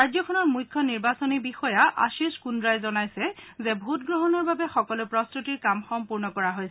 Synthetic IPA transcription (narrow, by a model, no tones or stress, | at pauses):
ɹajzɔkʰɔnɔɹmujkʰːɔniɹbasɔnibixɔjaʔa̰ʃiskundɹajzɔnajsɛzɛbʱutɡɹɔɦɔnɔɹbabɛxɔkɔlʊpɹɔstutiɹkamxɔmpuɹnɔkɔɹaɦojs